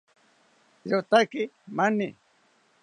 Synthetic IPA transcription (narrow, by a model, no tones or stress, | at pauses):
ɾot̪akɪmanɪ